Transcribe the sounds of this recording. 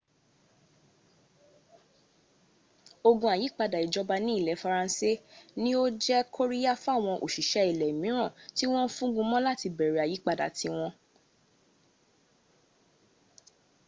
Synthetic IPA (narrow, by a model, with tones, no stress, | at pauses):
o˧ɡũ˧˦a˨ji˨˦k͡pa˧da˨i˨d͡ʒɔ˨˦ba˧nĩ˦i˦˨lɛ˨˦fa˧ɾã˧˦se˦nĩ˦o˦d͡ʒɛ˦kʰo˦ɾi˦ja˦fw̃ɔ̃˧ʔo̰˨ʃi˨ʃɛ˨˦i˨lɛ˨i˨mĩ˨˦ɾ̃ã˦˨ti˦w̃ɔ̃˦fũ˦ɡũ˧mɔ̃˦la˦ti˧bɛ˨ɾe˨a˨ji˨˦k͡pa˧da̰˨ti˧˦w̃ɔ̃˧